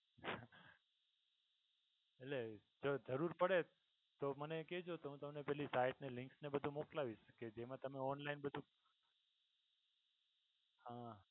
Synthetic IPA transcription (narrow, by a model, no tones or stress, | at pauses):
eled͡ʒod͡ʒəɾuɾpəɽe | t̪oməneked͡ʒot̪oɦũt̪əmnepɛɦlisaiʈnelɪ̃ŋksnebəd̪ʱumoklaʋiʃked͡ʒemãt̪əmeɔnlainbəd̪ʱũ | hã